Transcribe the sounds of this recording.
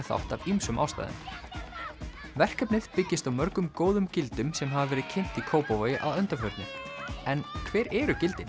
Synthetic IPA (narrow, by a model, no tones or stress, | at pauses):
θa̰wht̪avimsʏmʔa̰wst̪a̰ːðɪ̰n | vɛr̥kœpnɪðpɪcːɪst̪awmœɾkʏmkoːwðʏmcɪlt̪ʏmsɛmɦavavɛːɾɪðcʰɪn̥t̪ikʰoːwpovajɪʔa̰ðœnt̪afœɾt̪nɪɛnkʰvɛːɾɛɾʏcɪlt̪ɪn